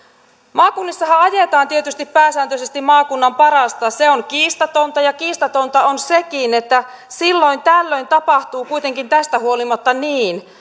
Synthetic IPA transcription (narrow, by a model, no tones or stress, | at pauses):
mɑːkunːisːɑhɑɑjet̪ɑːnt̪iet̪yst̪ippæːsæːnt̪øsest̪immɑːkunːɑmpɑɾɑst̪ɑseoŋkiːst̪ɑt̪ont̪ɑjɑkiːst̪ɑt̪o̞nt̪ɑonsekinet̪ːæ | silːo̞jnt̪ælːøjnt̪ɑpɑht̪uːkuit̪e̞ŋkint̪æst̪æhuolimɑt̪ːɑniːn